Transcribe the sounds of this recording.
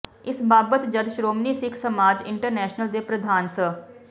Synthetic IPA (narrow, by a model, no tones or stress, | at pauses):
ɪsbaːbət̪d͡ʒəd̪ʃɾoːmniːsɪkʰsəmaːd͡ʒɪ̰ɳʈəɾnɛːʃnəld̪eːpɾəd̪ʱaːnsə